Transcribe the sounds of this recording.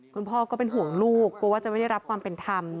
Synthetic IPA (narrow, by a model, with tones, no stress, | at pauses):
kʰu˧npʰɔː˥˩kɔː˥˩pe˧nɦu˨˩˦ə˦ŋluː˥˩kːu˧waː˥˩t͡ɕa˨ma˥˩da˥˩jɾa˦˥p̚kʰwaː˧mpe˧nt̪ʰa˧m